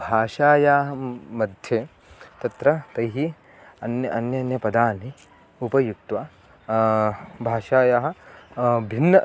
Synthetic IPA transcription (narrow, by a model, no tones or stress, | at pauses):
bʱaːʃaːjaːɦɐmɐd̪ʱjeː | t̪ɐt̪ɾɐt̪ɐjɦi | ɐnjɐʔɐnjɐnjɐpɐd̪aːni | upɐjuk̚t̪ʋaː | bʱaːʃaːjaːɦɐ̆ | bʱinːɐ